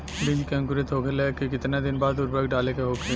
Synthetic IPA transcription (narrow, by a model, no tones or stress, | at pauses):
bɪ̃d͡ʒkɛ̃ŋkʊɾet̪ʰoːkʰəlɛkikɪt̪nad̪ɪnbaːd̪ʊɾbəkɖaːlekeɦoːkʰe